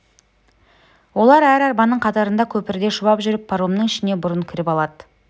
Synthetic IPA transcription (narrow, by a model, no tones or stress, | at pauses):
wo̞lˠɑɾæɾɑɾbɑnːəɴqʰɑt̪ɑɾənd̪ɑkʲʰɵpɪɾd̪e̞ʃʊbɑpʒʏɾɪpʰːaɾomnəŋɪʃɪne̞bʊɾəɴkʲʰɪɾɪpɑlˠɑd̪ə̥